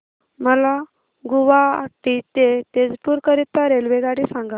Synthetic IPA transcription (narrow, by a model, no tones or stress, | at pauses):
məla | ɡuʋaa̰kʈit̪et̪ed͡zpuɾkəɾit̪ːaɾelʋeɡaɽisãŋɡa